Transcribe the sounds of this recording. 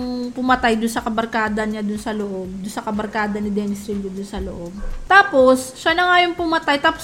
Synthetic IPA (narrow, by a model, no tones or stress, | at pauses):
ŋpʊmɐt̪ajd̪ʊnsɐkɐbɐɾkaːd̪ɐɲad̪ʊnsɐloʔo̞b̚d̪ʊnsɐkɐbɐɾkaːd̪ɐnɪd̪ɛːnɪsɾilːod̪ʊnsɐlo̰ʔob̚t̪aːpo̞sʃanɐŋajoŋpʊmɐt̪ajt̪aːpo